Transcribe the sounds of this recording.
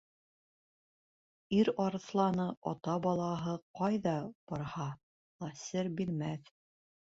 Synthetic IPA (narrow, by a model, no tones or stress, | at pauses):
iɾɑɾɤ̆θlˠɑnɤʔɒ̰t̪ɑbɑlˠɑɦɤqɑjðɑb̥ɒɾhɑ | lˠɑsɘɾbilmæθ